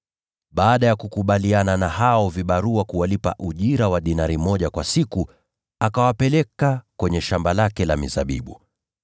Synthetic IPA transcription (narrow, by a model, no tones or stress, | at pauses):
ɓaːɗajakukuɓaliananahaɔviɓaɾuakuwalipa̰ʔuʄiɾawaɗinaɾimɔʄakwasiku | akawapɛlɛkakwɛɲɛʃambalakɛlamḭza̰ɓḭɓu